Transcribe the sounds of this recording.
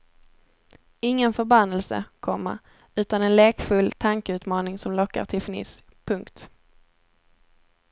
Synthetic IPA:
ɪŋːənfœɾbanːɛlsə̰kʰɔmːa̰ | ʉ̟ːt̪anɛnleːkfɵlːt̪ʰaŋkəʉ̟ːt̪mɑːnɪŋsɔmlɔkːa̰ʈʰɪlfnɪ̰ːs | pʰɵŋkt̪

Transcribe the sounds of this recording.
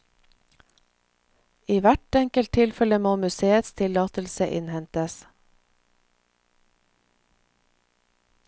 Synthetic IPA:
iːʋæʈɛŋkəlt̪ʰɪlfɛləmoːmʉseːət̪st̪ʰɪlɑːt̪əlsəʔɪ̰nhɛnt̪əs

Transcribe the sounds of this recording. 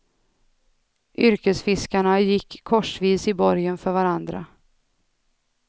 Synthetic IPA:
ʔʏɾkəsfɪskaɳajɪkʰːɔʂviːsɪbɔɾjənfœɾvaɾand̪ɾa̰

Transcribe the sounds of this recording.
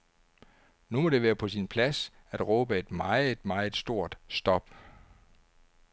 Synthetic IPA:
numɒ̽d̥e̝ʋæːɐpʰɒ̽sinpʰlæs | æd̥ʁɔ̽ːb̥əe̝d̥mɑ̈ɪð̩ˠe̝d̥mɑ̈ɪð̩ˠsd̥o̝ɐ̰d̥sd̥ɒ̽b̥

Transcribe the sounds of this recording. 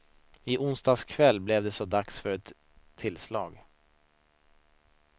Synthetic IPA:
ɪʔʊnst̪ɑːskʰvɛlːblɛvd̪ɛsɔd̪aksfœɾɛt̪ʰː | ɪlslɑːɡ

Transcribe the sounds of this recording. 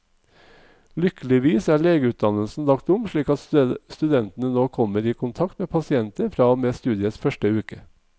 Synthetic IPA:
lʏkəlɪʋiːsæːɭeːɡəʉːt̪̚d̪ɑnəlsn̩d̪ɑkt̪ʊmʃɭiːkɑt̪st̪ʉd̪ɛnt̪ən̩ənoːkʰɔməɾiːkʰʊnt̪ʰɑkt̪meːpʰɑsɪɛnt̪əɾfɾɑːmeːst̪ʉːd̪ɪəsfœʃʈəʉːkə

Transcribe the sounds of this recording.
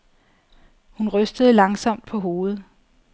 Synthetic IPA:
hunʁœsd̥əð̞̩ˠəlɑ̈ŋsɒ̽m̰d̥̚pʰɒ̽ɦo̝ːð̩ˠ

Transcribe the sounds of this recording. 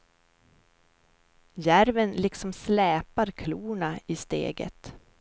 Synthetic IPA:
jæɾvənlɪksɔmslɛːpaɾkʰluːɳaɪst̪ḛːɡə̰t̪

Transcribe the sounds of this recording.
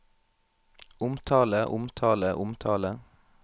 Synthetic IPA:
ʊmt̪ʰɑːləʔʊmt̪ʰɑːləʔʊmt̪ʰɑːlə

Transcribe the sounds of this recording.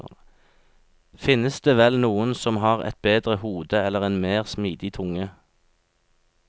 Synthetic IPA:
fɪnəsd̪eːʋɛlnuːənsɔmɦɑːʁɛ̰t̪̚beːd̪ʁəhuːd̪əɛlːəʁɛːnmeːʁsmiːd̪ɪt̪ʰʊŋə

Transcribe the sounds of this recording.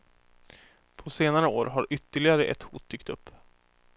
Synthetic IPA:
pʰɔseːnaɾəoːɾɦaɾʏt̪ːəɭɪɡaɾəʔɛ̰t̪hṵːt̪̚d̪ʏkt̪ɵpː

